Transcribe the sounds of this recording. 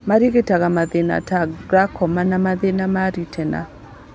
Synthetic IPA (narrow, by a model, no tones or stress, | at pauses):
maɾiɡetaɡamaðena̰taɡɾakʰɔmanamaðenamaɾitʰɛna̰